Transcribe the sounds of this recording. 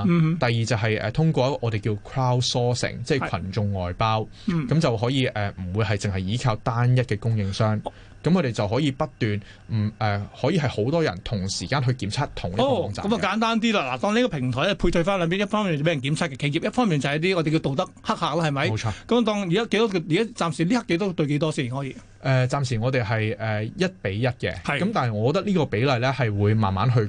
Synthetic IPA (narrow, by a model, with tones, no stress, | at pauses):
m˧t̪ɐ˨jːiː˨t͡sɐ˨wɦɐ˨jʔɛ̰˨t̪ʰʊ˥ŋkʷɔː˧ʔɔː˨˧d̪e˨jkiː˧wkʰɹaː˥wsɔː˥sɪ̰˨˩ŋt͡sɛː˥˩kʰɐ˨˩nt͡ʃʊ˧ŋːɔː˨jpaː˥w | kɐ˨˧˥mt͡sɐ˨wɦɔː˨˥jiː˨˧ʔɛː˨m̩˨˩wuː˨˧jhɐ˨jt͡sɪ˨ŋɦɐ˨jjiː˨˥kʰaː˧wt̪aː˥njɐ˥t̚kɛː˧kʊ˥ŋjɪ˧ŋsœː˥ŋ | kɐ˨mkʰːɾe˨˩jt͡sɐ˨wɦɔː˨˥jiː˧pɐ˥t̚t̪yː˨n | m̩˨˩ʔɛː˨˩hɔː˨˥jiː˧ɦɐ˨˩jho˨˥wt̪ɔː˥jɐ̰˨˩nt̪ʰʊ˨˩ŋsiː˨˩kaː˧˥nɦɵ˧ɥkiː˨˥mt͡sʰaː˥t̚t̪ʰʊ˨˩ŋlːkt͡sa̰ː˨ɐ˦mɐ˨kaː˨˥nt̪aː˥nt̪iː˥laː˧la̰ː˨˩t̪ɔː˧ŋneː˥kɔː˧pʰɪ˨˩ŋt̪ʰɔː˨˩lɛ˥˨˩pʰu˧jtʰɵ˧ɥfaː˥nlœː˨˧p̬iː˨˥njɐ˥tfɔː˥ŋmiː˨˩n˨˩pe˨˥jɐ˨˩nki˨˥mt͡sʰaː˥kːɛ˧ke˧jiː˨p̚jɐ˥tfɔː˥mi˨nt͡sa˨jɐ˦˥t̪i˥ŋɔ˨˧t̪e˨jki˧wt̪o˨wt̪ɐ˥k̚hɐ˥k̚haː˨k̚laː˥hɐ˨˩jmɐ˨˦jwt͡ʃʰɔː˧kɐ˨˦m˨t̪̬ɔː˧ŋjkaː˥ke˧˥jt̪ɔː˥kji˨kaː˦˥t͡saː˨msi˨˩liː˥hɐ˥kːe˨˥jt̪ɔː˥t̪ɵ˧ɥke˨˥jt̪ɔː˥siː˥˩˨ɦɔː˨˥jiː˧ | ʔɛː˨t͡saː˨msiː˨˩ŋɔː˨˧t̪e˨jɦɐ˨jɛː˨jɐ˥t̚pe˨˥jjɐ˥t̚kɛ̰˧hɐ˨˩jkɐ˨˥mt̪aː˨nhɐ˨jŋɔː˨˧kɔː˧t̪ɐ˥kliː˥kɔː˧pe˨˥jlɐ˨˩jlɛː˥hɐ˨jwuː˨˧jma̰ː˨nma̰ː˨˥nɦɵ˧ɥ